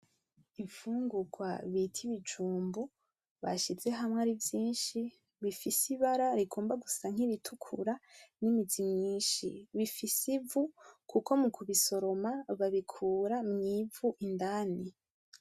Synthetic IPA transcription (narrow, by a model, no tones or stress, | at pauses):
iɱfuːŋɡuɡwaβitʰiβid͡ʒuːmbu | βa̰ʃize̞ɦamŋeaːɾivjiːnʃi | βifisiβaɾaɾiɡo̞ːmbaɡusaŋ̥iβitʰukʰṵɾanimizimɲiːʃḭβifisivukuko̞mukʰuβiso̞ɾo̞maβaβikʰuːɾamɲiːvuʔindaːni